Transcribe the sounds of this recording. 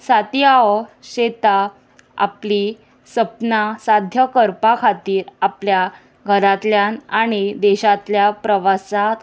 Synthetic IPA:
sat̪jaɔɕet̪a | a̰pli | səpnasad̪ʱjəkəɾpakʰat̪iːɾaplja | ɡʱəɾat̪ljanaɽ̃id̪ɛɕat̪ljapɾəʋasat̪

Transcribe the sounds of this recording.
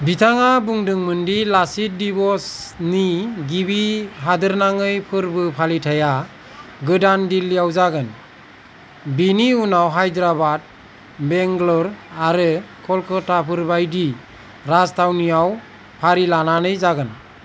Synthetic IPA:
bitʰaŋabuŋdɯŋmɯndilasit̚dibɔsniɡibiɦadɯɾnaŋɯjpʰɯɾbɯpʰalitʰaja | ɡɯdandilːijawzaɡɯn | biniunawɦajdɾabad̚ | beŋɡlɔɾaɾɯkʰɔlkʰɔtapʰɯɾbajdi | ɾastʰawniaw | pʰaɾilananɯjzaɡɯn

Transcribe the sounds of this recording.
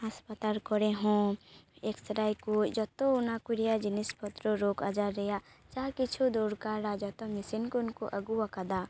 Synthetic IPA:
aspət̪alkɔɾeɦũekstɾaːikod͡ʒɔt̪õʊnakuɾijad͡ʒɪnɪspɔt̪ɾoɾokad͡ʒaɾɛja | t͡ʃakɪt͡ʃʰud̪oːɾkaɾad͡ʒɔt̪õmɪsinkʊnkoʔəɡuwakad̪a

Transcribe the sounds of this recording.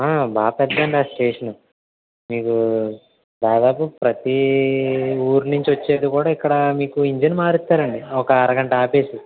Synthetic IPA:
aːbaːpɛd̪ːɐɳɖiaːsʈeːʂɐnu | miːku | d̪aːd̪aːpupɾɐt̪i | uːɾnuɲt͡ʃiʋɐt͡ʃːe̞ːɽukuːɽaːikːɐɽɐmiːkuiɲd͡ʒenmaːɾit̪ːaːɾɐɳɖiɔkɐːɾɐɡɐɳʈɐaːpe̞ːsi

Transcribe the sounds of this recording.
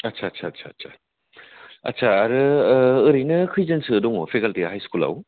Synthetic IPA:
ɐtsʰaːtsʰatsʰaːtsʰa | ɐ̰tsʰaːɾɯɯɾijnɯkʰɯjzɐnsɯːdɔŋopʰekaltiaɦajskula̰w

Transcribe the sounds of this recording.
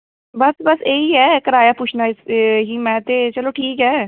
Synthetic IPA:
bəsbəseːiːɦɛːkəɾaːjaːpʊːt͡ʃʰnaːɪsɦiːmɛ̃ːt̪eːt͡ʃəloːʈʰiːkɦɛː

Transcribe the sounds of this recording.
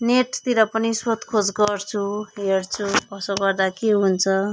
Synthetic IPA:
neʈt̪iɾʌpʌnisot̪kʰod͡zɡʌrt͡sʰuɦeɽt͡sʰuʌsoɡʌrd̪akeɦunt͡sʰʌ

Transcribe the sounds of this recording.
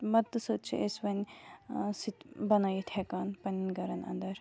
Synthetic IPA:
mɐd̪ɨsət͡ʃʰiʔesʋɐn | sit̪bɐnajit̪ʰɛkaːnpɐninɡɐɾɐnɐ̰nd̪ɐɾ

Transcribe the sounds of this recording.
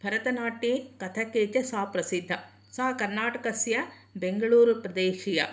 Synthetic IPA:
bʱɐɾɐt̪ɐnaːʈikɐt̪ʰɐkeːt͡ʃɐsaːpɾɐsid̪ʱːɐ | saːkɐɾnaːʈɐkɐsjɐ | beŋɡɐɭuːɾupɾɐd̪eːʃijɐ̰

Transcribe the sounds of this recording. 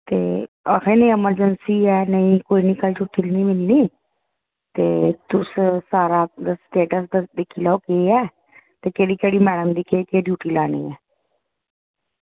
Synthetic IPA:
t̪eː | əkʰeːnəĩːəməɾd͡ʒənsiːɛːnəĩːkoːiːniːkəlt͡ʃʰʊt̪ʰːilniːmɪlniː | t̪eːt̪ʊssaːɾaːd̪sʈeːʈəsd̪d̪ekʰːiːlaoːkeːɛː | t̪eːkeːɽiːkeːɽiːmɛːɽəmd̪iːkeːkeːɖjuːʈiːlaːnḭːɛː

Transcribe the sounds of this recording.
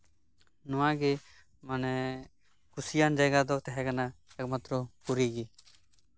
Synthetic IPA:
nʊãɡe | mənɛ | kʊsijaːnd͡ʒəɡad̪ɔt̪ɛɦɛkanaɛkmat̪ɾɔpʊɾiɡi

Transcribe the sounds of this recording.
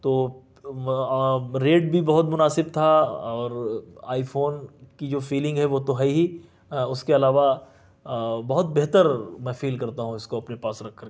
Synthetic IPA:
t̪oː | ɾeːʈ̚bʱibɐɦʊt̪mʊnaːsɪb̚t̪ʰaɔːɾa̰ːifoːnkid͡ʒoːfiːlɪ̃ŋɡɦɛʋot̪oɦɛiɦi | ʊskeɐlaːʋa | bɐɦʊt̪̚beɦt̪əɾmɛ̃ːfiːlkɐɾt̪aɦũɪskoɐpnepaːsɾɐkʰːɐɾ

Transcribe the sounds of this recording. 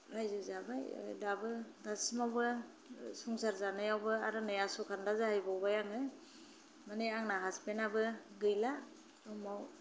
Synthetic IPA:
ɾajzɯzabaj̰dabɯdasmawbɯ | sɔŋsaɾzanɯjawbɯaɾɯnɯjasɔkʰandazahɯjbawbajaŋɯ | maneaŋnaɦaspenabɯɡɯjla | dɔmaw

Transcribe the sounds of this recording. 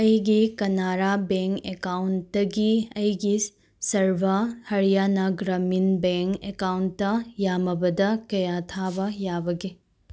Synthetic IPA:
ɐjɡikɐnaɾabeŋkekawntdɐɡiɐjɡi | sɐɾbʱɐhɐɾijanɐɡɾɐminbeŋkḛkawntːɐjamɐbɐdɐkɐjat̪ʰabɐjabɐɡe

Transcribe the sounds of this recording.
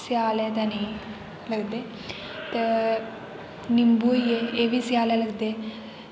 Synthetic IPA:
sjaːlɛt̪ani | ləɡd̪e | t̪ə | nimbuːjeeʋisjaːlɛləɡd̪e

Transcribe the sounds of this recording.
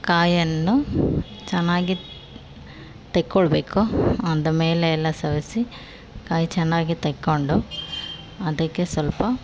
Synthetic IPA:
kaːjɐnːut͡ʃɛnːaːɡi | t̪ekːoɭɐbeːkuɐnd̪ɐmeːleːlːɐsɐʋisi | kaːjt͡ʃɛnːaːɡit̪ekːoɳɖu | ɐd̪ɐkːe̞sʋɐlpɐ

